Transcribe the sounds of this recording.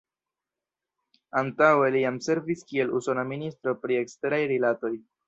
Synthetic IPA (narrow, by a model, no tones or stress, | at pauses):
antawe̞lijamse̞ɾviskie̞luso̞naministɾo̞pɾie̞kste̞ɾajɾilato̞j